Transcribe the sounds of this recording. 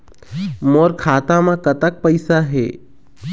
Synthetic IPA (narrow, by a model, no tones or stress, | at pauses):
moːɾkʰaːt̪ãmãkət̪ək̚pəɪsaɦɛ̰ː